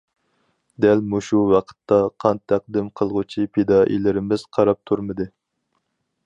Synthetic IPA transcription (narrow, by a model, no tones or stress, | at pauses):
d̪ælmuʃuwɑqʰə̥t̪ʰːɑqʰɑnt̪ʰːæq̚d̪ɪmqʰəlˠʁʊt͡ʃʰipʰed̪ɑːʔḭlɪɾɪmɪz̥qʰɑɾɑp̚t̪ʰuɾmɨd̪ɨ